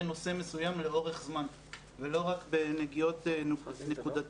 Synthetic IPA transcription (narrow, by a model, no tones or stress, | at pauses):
no̞se̞me̞sujamle̞o̞ʁe̞χzman | velo̞ʁakbe̞neɡijo̞t̪nekud̪at